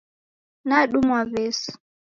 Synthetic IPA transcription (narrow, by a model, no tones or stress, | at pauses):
naɗumwavɛs